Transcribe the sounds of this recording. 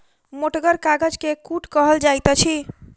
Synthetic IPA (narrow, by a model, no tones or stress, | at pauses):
moʈɡəɾkaɡəd͡ʒkekuʈkəɦəld͡ʒajt̪ət͡ʃʰi